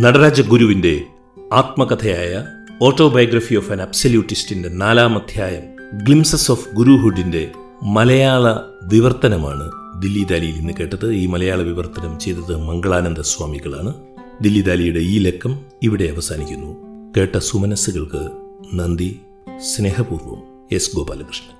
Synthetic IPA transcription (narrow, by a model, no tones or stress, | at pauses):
nɐɽɐɾaːd͡ʑɐɡuɾuʋinde̞ | aːt̪̚mɐkɐt̪ʰɐjaːjɐ | o̞ːʈːo̞ːbɐjɐɡɾɐfioːfɐnɐbsoljuːʈːistinde̞naːlaːmɐd̪ʱjaːjɐm | ɡɭimsɐsoːfɡuɾuɦuɖːinde̞ | mɐlɐjaːɭɐ | ʋiʋɐrt̪ɐnɐma̰ːɳɨd̪ilːid̪aːlijilninːɨke̞ːʈːɐðɨiːmɐlɐjaːɭɐʋiʋɐrt̪ɐnɐmt͡ɕe̞jt̪ːɐðɨmɐŋɡɐɭaːnɐnd̪ɐswaːmiɣɐɭaːɳɨ | d̪ilːid̪aːlijuɽe̞iːle̞kʰːɐm | iʋiɽe̞ɐʋɐsaːnikʲːunːuke̞ːʈːɐsumɐnɐsuɣɐɭkɨnɐnd̪i | sne̞ːɦɐpuːrʋɐ̰m | e̞sɡo̞ːba̰ːlɐkrɨʂɳɐ̥